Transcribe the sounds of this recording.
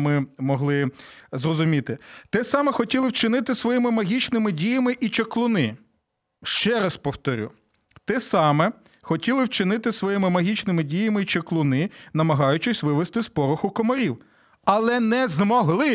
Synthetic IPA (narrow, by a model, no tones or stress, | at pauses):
mɪmɔɦlˠɪ | zrɔzʊmʲit̪ɪt̪ɛsɑmɛxɔtʲilˠɪwt͡ʃɪnɪt̪ɪsʋɔjimɪmɐɦʲit͡ʃnɪmɪdʲijɐmɪʔit͡ʃeklˠʊnɪ | ʃt͡ʃɛɾɐspɔwt̪ɔɾʲṵ | t̪ɛsɑmɛ | xɔtʲilˠɪwt͡ʃɪnɪt̪ɪsʋɔjimɪmɐɦʲit͡ʃnɪmɪdʲijɐmɪit͡ʃeklˠʊnɪnɐmɐɦɑjʊt͡ʃɪsʲʋɪʋest̪ɪspɔɾʊxʊkɔmɔɾʲiw | ɐlˠɛnɛzmɔɦlˠɪ